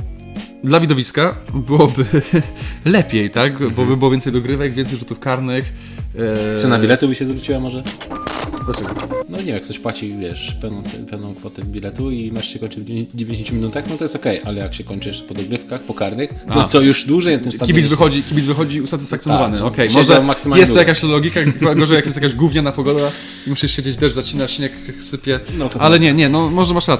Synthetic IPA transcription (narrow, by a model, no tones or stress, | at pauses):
d̪lavʲid̪ɔvʲiskabɘwɔbɘ | lɛpʲjejt̪akbɔbɘbɘwɔvʲjɛnt̪sɛjd̪ɔɡɾɘvɛɡvʲjɛnt̪sɛjʐut̪ufkaɾnɪx | sɛnailɛt̪ubɘɕɛzavɾut͡ɕiwamɔʐɛ | d̪lat͡ʂɛɡɔnɔɲɛvʲɛmkt̪ɔɕpwat͡ɕivʲjɛʂpɛvnɔ̃sɛ̰pɛvnɔ̃w̃kfɔt̪ɛbʲilɛt̪uimaʂɕɛkɔɲt͡ʂɪd͡ʑevʲẽɲd͡ʑɪɕẽɲt͡ɕumʲinut̪axnɔt̪ɔjɛst̪ɔkɛjʔalɛjakɕɛkɔɲʲt͡ʂɨʂpɔd̪ɔɡɾɘfkaxpɔkaɾnɨxnɔt̪ɔjuʐd̪wuʐɛjnat̪ɪmsakibʲit̪zvɪxɔd͡ʑikʲibʲit̪vɘxɔd͡ʑiusat̪ɘsfakt̪sʲjɔnɔvanɛɔkɛjmmʐɛmaksɨmajɛst̪jakaɕlɔɡʲikaaɔʐɛjakjɛsjakaʑɡuvɲanapɔɡɔd̪a | imuɕɛɕed͡ʑed͡ʑd̪ɛʐzat͡ɕinat͡ɕinɛksɘpʲjɛnɔʔalɛɲɛɲɛnɔmɔʐɛmaʂɾat̪